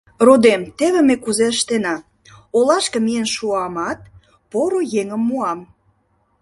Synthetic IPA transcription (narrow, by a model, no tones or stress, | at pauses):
rod̪emt̪eβemekuzeəʃt̪enɑ | olɑʃkə̆mijənʃuɑmɑt̪̚ | poɾojeŋəmːuɑm